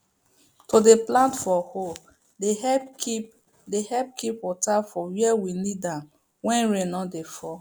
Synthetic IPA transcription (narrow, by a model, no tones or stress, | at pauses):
tʰodeplãntfɔho | dehɛpkip | dehɛp̚kʰipwɔtafɔwiɛwinidãm | wɛ̃nɹẽnɔdefɔ